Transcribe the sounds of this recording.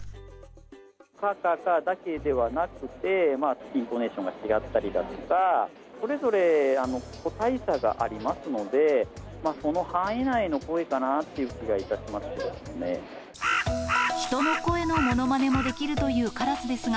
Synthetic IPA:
kakakad̪ake̞d̪e̞βanakɯ̟t̪e̞maĩnt̪o̞ne̞ːɕõ̞ŋɡat͡ɕiɡat̪ːaɾʲid̪a̰t̪oka | so̞ɾe̞zo̞ɾe̞ano̞ko̞t̪aisaɡa̰ʔa̰ɾʲimasɨno̞d̪e̞ | maːso̞no̞hãinaino̞ko̞e̞kanat̪ːe̞iɯ̟kʲiɡait̪aɕimasɨ̥d̪ḛsɨne̞̰ | çi̥t̪o̞no̞ko̞e̞no̞mo̞no̞mane̞mo̞d̪e̞kʲiɾɯ̟t̪o̞jɯ̟ːkaɾasɨd̪e̞sɨɡa

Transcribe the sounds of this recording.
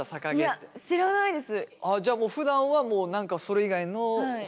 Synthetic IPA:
asakaɡeat̪ːeɕiɾanaid̪e̞sɨad͡ʑaːmo̞ːɸɯ̟d̪ãɰ̃βamoːnãŋkaso̞ɾe̞iɡaino̞

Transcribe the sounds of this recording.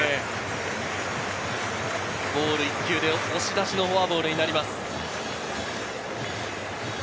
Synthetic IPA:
e | bo̞ːɾɯ̟ikʲɨːd̪e̞ooɕit̪aɕino̞ɦoabo̞ːɾɯ̟ɲ̟inaɾʲimasɨ̥

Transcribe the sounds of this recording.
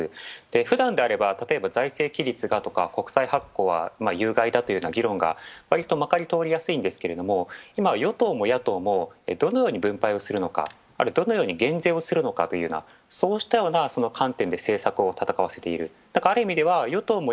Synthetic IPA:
ɨd̪̥e̞ɸɯ̟d̪ãnd̪e̞aɾe̞bat̪at̪o̞e̞bazaise̞ːkʲiɾʲit͡sɨɡat̪o̞ka̰ko̞kɯ̟̥saihakːo̞ːβa̰majɯ̟ːɡaid̪at̪o̞jɯ̟ːnaɡʲiɾõ̞ŋɡa̰βaɾʲit̪ːo̞makaɾʲit̪o̞ːɾʲijasɨĩnd̪e̞sɨ̥ke̞ɾe̞d̪o̞mo̞imajo̞t̪o̞ːmo̞jat̪o̞ːmo̞ed̪o̞no̞jo̞ːɲ̟ibɯ̟̃mpaio̞sɨɾɯ̟no̞ka̰ | a̰ɾɯd̪o̞no̞jo̞ːɲ̟iɡẽ̞nd͡ze̞ːo̞sɨɾɯ̟no̞kat̪o̞jɯ̟ːna̰so̞ːɕi̥t̪ajo̞ːnaso̞no̞kʰãnt̪ẽ̞nd̪e̞se̞ːsakɯ̟o̞t̪at̪akaβ̞ase̞t̪e̞ḭɾɯ̟ | d̪̥akaːɾɯ̟imʲid̪e̞βajo̞t̪o̞ːmo

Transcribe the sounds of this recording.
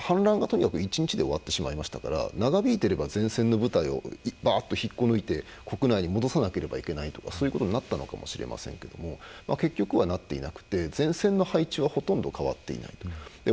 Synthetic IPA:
hãnɾãŋɡat̪o̞ɲ̟ikḁkɯ̟it͡ɕiɲ̟it͡ɕid̪e̞o̞βat̪ːe̞ɕimaimaɕi̥t̪ḁka̰ɾa̰naɡabʲiːt̪e̞ɾe̞bazẽ̞ɰ̃sẽ̞nːo̞bɯ̟t̪aio̞̰baːt̪ːo̞çikːo̞noit̪e̞kʰo̞kɯ̟naiɲ̟imo̞d̪o̞sanake̞ɾe̞ba̰ike̞nait̪o̞̥ka̰so̞ːjiɯko̞t̪oɲinat̪ːano̞̰kamo̞̰ɕiɾe̞̰mʔa̰sẽ̞ŋke̞d̪̥o̞̰mo̞ma̰ke̞kʲːo̞kɯ̟βanat̪ːe̞ḭnakɯ̟̥t̪e̞zẽ̞ɰ̃sẽ̞nːo̞hait͡ɕiβaho̞t̪õnd̪o̞kaβa̰t̪ːe̞ḭna̰it̪od̪e

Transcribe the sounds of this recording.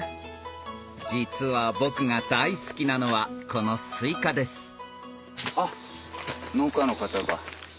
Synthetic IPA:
d͡ʑit͡sɨβabo̞kɯ̟ŋad̪aisɨ̥kʲinano̞βako̞no̞sɨikad̪e̞sɨ̥ | a | noːkanokat̪aba

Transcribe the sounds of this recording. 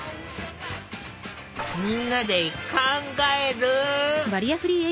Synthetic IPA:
minːad̪eikʰaŋɡaeɾɯʋɐɾijasɯɾie

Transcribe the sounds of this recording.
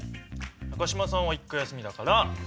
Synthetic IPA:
nakaɕimasãɰ̃βaikːajasɨmʲid̪akaɾa

